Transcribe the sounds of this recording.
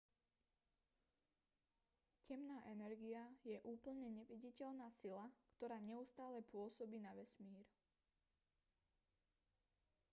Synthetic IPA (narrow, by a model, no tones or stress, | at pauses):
cɛmnaːʔɛnɛɾɡiajɛʔuːpl̩ɲɛɲɛʋiɟicɛʎnaːsilakt̪ɔɾaːɲɛust̪aːlɛpʊɔsɔbiːnaʋɛsmiːɾ